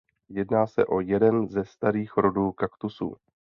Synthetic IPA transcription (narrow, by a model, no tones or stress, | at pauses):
jɛdnaːsɛ̰ʔo̞jɛdɛnzɛst̪aɾiːxɾo̞duːkakt̪usṵː